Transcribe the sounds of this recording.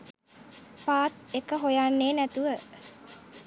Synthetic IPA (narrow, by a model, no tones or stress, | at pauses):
paːt̪̚ekəɦojanːeːnæt̪uʋə